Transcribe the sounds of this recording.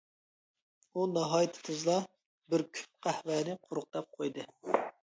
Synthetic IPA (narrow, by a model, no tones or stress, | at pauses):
unɑɦɑːjit̪ʰɨ̥t̪ʰɨzlˠɑ | bɪɾkʲʰy̥p̚qʰæhvæːnɪqʰʊɾʊq̚t̪ɑp̚qʰojd̪ɨ